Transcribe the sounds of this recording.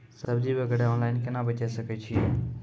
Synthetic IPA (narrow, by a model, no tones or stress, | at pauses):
səbd͡ʒiːbeɡʱəɽeɔːnlaːɪnkenaːbət͡ʃaːesəket͡ʃʰi